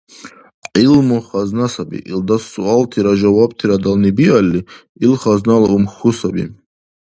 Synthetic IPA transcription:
ʕilmɔχaznasabḭʔḭld̪assuɑlt̪ʰiɾaʒawab̚t̪ʰiɾad̪alnibialʲːi | ilχaznalˠumxusabḭ

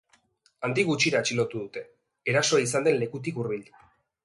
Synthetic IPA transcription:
and̪iɣut͡ʃiɾaːt͡ʃilo̞t̪uðut̪e̞ː | ɾaso̞aisand̪e̞nle̞kut̪̬ikuɾβild̪u

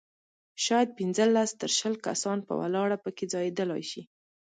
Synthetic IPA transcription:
ʃɑjad̪̚pinzəlast̪əɾʃəlka̰sɑnpə̰wa̰lɑɽapəked͡zɑjed̪əlajʃi

